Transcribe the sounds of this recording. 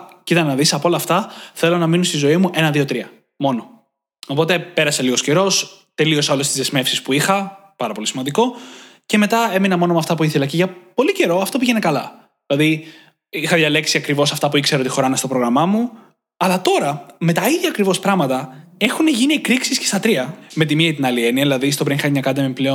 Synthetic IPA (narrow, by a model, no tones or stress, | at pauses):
cit̪ɐnenɐðisɐpoo̞lɐːft̪ɐθelo̞nɐminost̪izo̞imuʔe̞nɐðio̞t̪ɾiɐ | mo̞no̞ | opo̞t̪e̞pe̞ɾɐseliɣo̞sceɾo̞s | t̪e̞lio̞sɐo̞le̞st̪izðezme̞fsispuixɐpɐɾɐpo̞lisimɐnd̪iko̞ce̞me̞t̪ɐe̞minɐmo̞no̞mɐft̪ɐpuiθelɐceʝɐpo̞lice̞ɾo̞ɐft̪o̞piʝe̞nekɐlɐ | ilɐði | ixɐðʝɐle̞ksiɐkɾivo̞sɐft̪ɐpuikse̞ɾot̪ixo̞ɾɐnɐst̪opɾo̞ɣɾɐmɐmu | ɐlɐt̪o̞ɾɐme̞t̪ɐiðʝɐːkɾivo̞spɾɐɣmɐt̪ɐe̞xuneʝiniekɾiksiscest̪ɐt̪ɾiɐme̞t̪̬imiɐit̪inɐlie̞niɐðilɐðist̪o̞pɾinixɐɲɐkɐd̪emipleo